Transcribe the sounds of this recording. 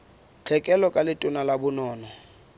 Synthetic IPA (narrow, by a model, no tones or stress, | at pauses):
t͡ɬʰɛkʼɛlɔkʼalɪtʼʊnalabʊnɔːnɔ